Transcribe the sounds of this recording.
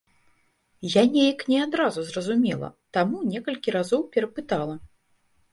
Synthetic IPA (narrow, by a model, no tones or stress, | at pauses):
janʲejɐknʲɛad̪ɾazuzrɐzumʲɛlˠɐ̰t̪amunʲɛkɐlʲkʲiɾazɔwpʲɛɾɐpɨt̪alˠɐ